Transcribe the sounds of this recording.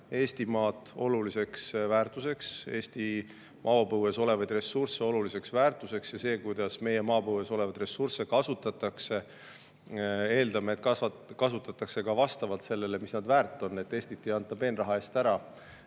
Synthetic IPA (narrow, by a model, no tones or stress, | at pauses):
e̞ːst̪imɑːt̪ːˑo̞lulise̞ksvæːrt̪ˑuse̞kse̞ːst̪i | mʔɑːpɤweso̞le̞vɑjd̪̥re̞surse̞olulise̞ksvæːrt̪ˑuse̞ksjɑse̞ːkujd̪̥ɑsme̞je̞mɑːpɤweso̞levɑd̪̥re̞surse̞kɑsut̪ːˑɑt̪ːɑkse̞ | e̞ːld̪̥ɑmeːt̪kɑsɑ | kɑsut̪ːˑɑt̪ːˑɑkse̞kɑvɑst̪ɑvɑlt̪se̞lːe̞le̞misnɑd̪væːrt̪ːˑo̞nːe̞t̪ːe̞ːsʲt̪it̪ːˑiɑnt̪ˑːɑbe̞ːnrɑɦɑe̞ːst̪æɾɑ